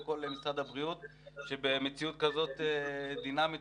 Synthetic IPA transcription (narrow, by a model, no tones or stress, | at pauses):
ko̞lemisʁad̪abʁiut̪ | ʃe̞be̞met͡siut̪kazo̞t̪ed̪inamit